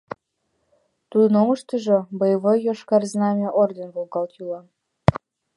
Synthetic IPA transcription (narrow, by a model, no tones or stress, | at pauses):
t̪ud̪ɤ̆noməʃt̪əʒĕbəjβɤjoʃkɑrznɑmʲeʔord̪ʲenvolˠɡɑlt̪ylɑ